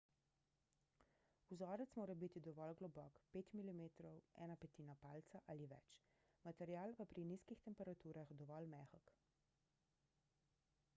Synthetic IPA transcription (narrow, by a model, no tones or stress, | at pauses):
uzɔːɾɛt̪smoːɾɛbit̪id̪ɔʋɔlɡlɔbɔkpeːt̪milimeːt̪ɾɔwɛ̰ːnapɛt̪iːnapaːlt̪saʔaliʋɛ̰t͡ʃ | mat̪ɛɾjaːlpapɾiniskixt̪ɛmpɛɾat̪uːɾaxd̪ɔʋɔlmɛːxɔk